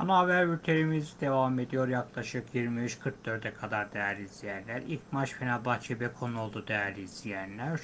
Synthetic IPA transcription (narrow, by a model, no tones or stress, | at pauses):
anaavæɾyɾt̪ʰeɾimizd̪e̞vame̞d̪ijo̞ɾjaklˠaʃɯkjiɾmiyʃkʰɯɾt̪̚d̪ø̞ɾd̪ɛkʰad̪aɾd̪ɛjæɾlʲiːzijænlʲæɾilcmaʃfenabat͡ʃʰebɛkʰo̞nuo̞lˠd̪ud̪ɛjæɾlʲiːzijænlʲæɾ̥